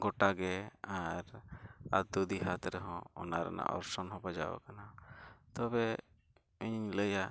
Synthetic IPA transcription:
ɡɔʈaɡɛaɾad̪ud̪iɦat̪ɾɛɦɔ̃ɔnaɾɛ̰na̰ʔɔ̰ɾsɔnɦɔ̃bad͡ʒa̰wa̰kanat̪ɔbɛ | iɲləja

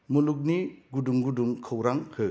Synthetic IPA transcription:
muluk̬̚niɡuduŋɡuduŋkʰɯwɾaŋhɯ

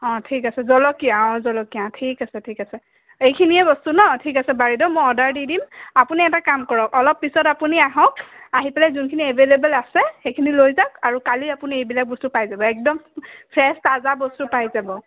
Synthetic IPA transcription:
ɔ̃tʰikasɛzɔlɔkijaɔ̃zɔlɔkiãtʰikasɛtʰikasɛ | ejkʰiniɛbɔstunɔtʰikasɛbaɹidɔmojɔdaɹdidimapuniɛtakamkɔɹɔkɔlɔpːisɔtapuniaɦɔ̃kaɦipalɛzunkʰiniebelebɛlasɛxejkʰinilojzakaɹukaliapuniejbilak̚bɔstupajzabɔɛk̚dɔmpʰɹɛstazabɔstupajzabɔ

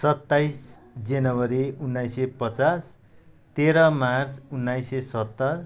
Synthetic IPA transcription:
sʌt̪ːajs | d͡zenʌwʌɾiunːajsepʌt͡sas | t̪eɾʌmart͡sunːajsesʌt̪ːʌr

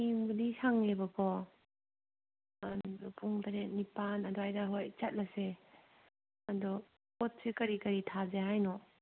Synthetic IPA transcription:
imɡɯdisaŋlebakʰɔ | dupuŋtaɾet̚nipanadɔajdaɦojt͡ʃat̚lase | adɔ | pɔt̚sikɐɾikɐɾitʰazeɦajnɔ

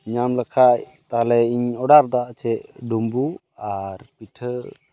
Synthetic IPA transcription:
ɲamlakʰaʔ | t̪alɛiɲɔɖaɾd̪aʔt͡ʃʰɛʔɖumbu | aɾpiʈʰə

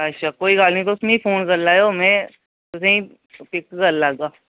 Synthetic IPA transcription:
ɐtːʃʰaːkoːiɡaːlnĩt̪oʊsmẽipʰoːnkɐɾlaːɦeomɛ̃ | t̪ʊsẽĩ | pɪkkɐɾlaːɡaː

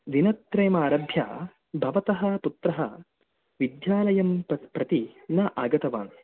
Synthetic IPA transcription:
ʋ̪inɐt̪ːɾeːmaːɾɐbʱja̰ː | bʱɐʋɐt̪ɐɦɐput̪ɾɐɦɐ | ʋid̪jaːlɐjɐmpɾɐt̪inɐʔaːɡɐt̪ɐʋa̰ːn

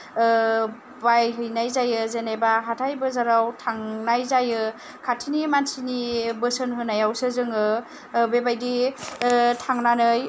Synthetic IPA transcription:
bajɦɯjnajzajɯzenejbaɦatʰajbɯzaɾawtʰaŋnajzajɯ | kʰatʰinimansinibɯsɯnɦɯnajawsɯzɯŋɯ | bebajdi | tʰaŋnanɯj

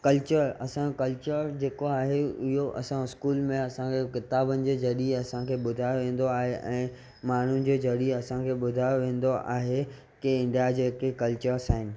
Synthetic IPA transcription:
kɐlt͡ɕəɾɐsãkɐlt͡ɕəɾd͡ʑeːkoaːɦeʊɦoʔɐsãɪskuːlmẽɐsãkʰekɪt̪aːbənɪ̆d͡ʑeːd͡ʑʱɐɾiɐsãkʰeːɓʊd̪ʱaːjoʋẽːn̆d̪oaːɦeʔɛ̃ː | maːɳ̤ud͡ʑeːd͡ʑʱɐɾiɐsãkʰeːɓʊd̪ʱaːjoʋẽːn̆d̪oʔa̰ːɦe | keɪ̃ɳɖijad͡ʑeːkekɐlt͡ɕəɾsaːɦɪnɪ̆

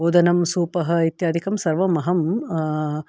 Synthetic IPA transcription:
oːd̪ɐnɐmsuːpɐɦɐ̆it̪jaːd̪ʱikɐmsɐɾʋɐmɐɦɐm

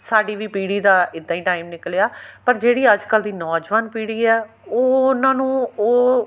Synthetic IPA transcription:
saːɖiːʋiːpiːɽiːd̪aːɪd̪ːãːiːʈaːimnɪklejaːpəɾd͡ʒeːɽiːəd͡ʒkəld̪iːnɔːd͡ʒʋaːnpiːɽiːɛː | oːnãːnũːoː

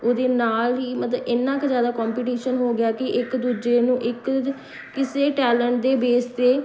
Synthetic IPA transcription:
oːd̪eːnaːlɦiːmət̪ləbɪnːãːkzjaːd̪aːkɔːmpiːʈiːʃənɦoːɡɪjaːkɪʔɪkd̪uːd͡ʒeːnũːʔɪkː | ɪseːʈɛːləɳʈ̚d̪eːbeːst̪eː

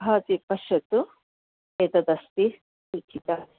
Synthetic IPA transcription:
ɦaːt̪ipɐʃɐt̪u | eːt̪ɐd̪ɐst̪i | ikʰit̪ɐ

